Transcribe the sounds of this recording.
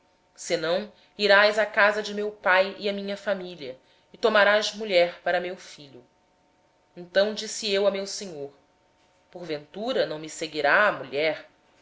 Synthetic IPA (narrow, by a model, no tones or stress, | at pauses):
sɪnɐ̃w̃ | iɾajzɐkazɐd͡ʒɪmewpajiɐmĩɲɐfamiʎiɐ | ɪt̪omaɾazmuʎɛɾpaɾɐmewfiʎʊ | ẽnt̪ɐ̃w̃d͡ʒisiewɐmewseɲoɾ | poɾvẽnt̪uɾɐnɐ̃w̃mɪseɡiɾaːmuʎɛɾ